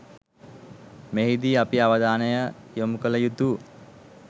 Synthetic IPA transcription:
meɦid̪iːapiaʋəd̪aːnəjəjomukələjut̪u

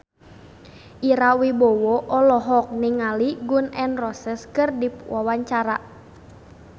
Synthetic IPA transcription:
ʔiɾawibɔwɔʔɔlɔɦɔk̚niŋaliɡunɛnrɔsəskərdipwawaɲt͡ʃaɾa

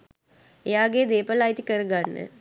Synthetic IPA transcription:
ejaːɡed̪eːpəlajit̪ikəɾəɡanːə̰

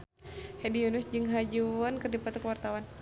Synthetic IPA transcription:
hɛdijunusd͡ʒɨŋɦad͡ʒuʊnkərdipat̪kəwart̪awan

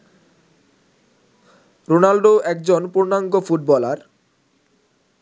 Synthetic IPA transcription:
ɾonalɖoɛk̚d͡ʑonpuɾnaŋɡofuʈ̚bɔlaɾ

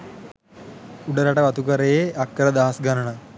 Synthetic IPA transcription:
uɖəɾaʈəʋɐt̪ukəɾejeʔakːəɾəd̪aɦasɡanəɳə

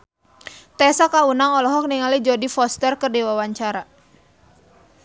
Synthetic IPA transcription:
t̪ɛsakaunaŋɔlɔɦɔk̚niŋalid͡ʒɔdifɔst̪ərkərdiwawaɲt͡ʃaɾa

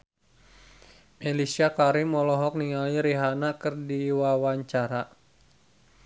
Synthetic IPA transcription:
melisiakaɾimɔlɔɦɔk̚niŋaliɾiɦanakərdiwawaɲt͡ʃaɾa

